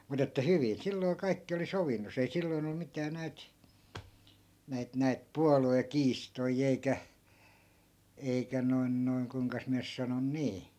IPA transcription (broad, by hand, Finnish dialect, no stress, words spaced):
mut etːæ hyʋin silːoi̯ kɑikːi oli soʋinːos ei silːoi̯n o mitæː næit næit næit puɑluekiːstoi eikæ eikæ noi̯n noi̯n kuĭŋkɑs miæ nys sɑnon niː